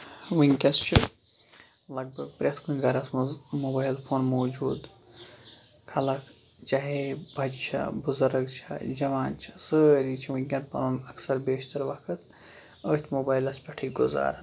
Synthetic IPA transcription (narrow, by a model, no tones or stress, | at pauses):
ʋiŋʲkʲɐst͡ʃʰi | lɐɡ̚bɐɡ̚pɾʲɐt̪kʰunɡɐɾɐsmoːbaːjlpʰoːnmoːd͡ʒuːd̪ | kʰɐlɐk | t͡ʃaɦebʱɐd͡ʒt͡ʃʰɐ̰bʊzɐɾɐɡt͡ʃʰɐ̰d͡ʒɐʋaːnt͡ʃʰi̥səɾit͡ʃʰiʋiŋkʲɐn̚pɐ̰ɾoːnɐksɐɾbeːʃt̪ɐɾʋɐkʰɨt̪ | əːt̪ʰmoːbaːjlɐspʲɐʈʰiɡʊza̰ːɾɐ